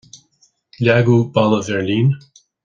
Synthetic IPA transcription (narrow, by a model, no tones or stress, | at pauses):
laɡubaləvɛɹlĩn